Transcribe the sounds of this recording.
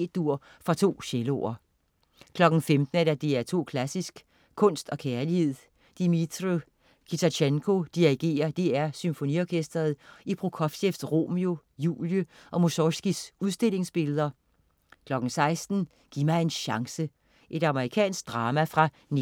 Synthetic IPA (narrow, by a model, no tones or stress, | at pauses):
d̥̚uɐ̰ | fʁɑ̈t͡sʰo̝̰ːɕelo̰ɐ | kʰlɒ̽ɡ̥n̩femd̥n̩æd̥æd̥e̝æɐt͡sʰo̝̰ːkʰlæsisɡ̥ | kʰɔ̽n̰sd̥ɒ̽kʰæɐlihe̝ð̞̰ˠ | d̥imi̥ʁo | kʰit͡sʰæt͡ɕʰeŋkʰo̝d̥iʁiɡ̥e̝̰ːɐd̥eæɐsymfo̝niɒːkʰesd̥ɐð̞̩ˠipʰʁukʰɒ̽fɕefd̥ʁo̝̰mio̝ | jṵːljəʔɒ̽musɒsɡ̥isuðˠsd̥e̝le̝ŋsb̥e̝ləð̞̩ˠɐ | kʰlɒ̽ɡ̥n̩sɑ̈ɪsd̥n̩ | ɡ̥iɐmɑ̈ɪe̝nɕɑ̈ŋsə | ʔe̝ɾ̥ɑ̈məʁikʰɛ̰ːnsɡ̥̚d̥ʁɑ̈ːmæfʁɑ̈ | n